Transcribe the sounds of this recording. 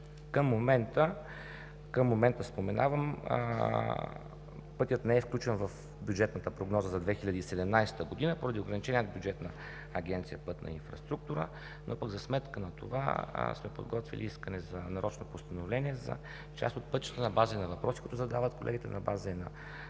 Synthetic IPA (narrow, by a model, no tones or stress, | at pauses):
kəmːomɛnt̪ə | kəmːomɛnt̪əspomɛnʔa̰vəm̰ | pɤt̪ʲjət̪nɛɛfklʲut͡ʃɛnvɐf | bʲjud͡ʒɛt̪nət̪əpɾoɡnɔzəzɐd̪vɛxilʲəd̪iːsɛd̪ɛmnajsɛ̥t̪əɡod̪inəpoɾəd̪ioɡɾɐnit͡ʃɛnʲiənbjud͡ʒɛt̪nə | ɐɡʲɛnt̪sijəpɤt̪nʔɐ̰ḭnfɾɐ̰st̪ɾuk̚t̪uɾə̰ | nʔopəɡzɐsmɛt̪kənɐt̪ova̰smɛpo̰d̪ɡɔt̪vḭlḭiskənɛzɐnɐɾʔɔt͡ʃnopost̪ɐnovlɛniɛzɐ̰ | t͡ʃa̰st̪ot̪̚pɤt̪t͡ʃə̥t̪ənɐbazənɐvɐpɾɔsikuit̪ʊzɐd̪avət̪ko̰lɛ̰ɡʲit̪ɛnɐba̰znɐ̰